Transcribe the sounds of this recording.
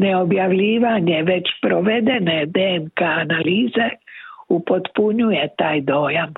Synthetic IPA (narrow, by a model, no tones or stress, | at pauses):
ne̞o̞bjaʋʎiːʋaɲe̞ʋe̞t͡ɕpɾoʋe̞d̪ene̞d̪eːnkaːnaliːze̞upo̞t̪puɲuje̞t̪aːjd̪o̞ːjam